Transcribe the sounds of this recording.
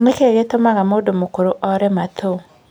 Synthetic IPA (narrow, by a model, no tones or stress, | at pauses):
mekeɣetomaɣamodomokoɾoʔɔɾɛmatʰo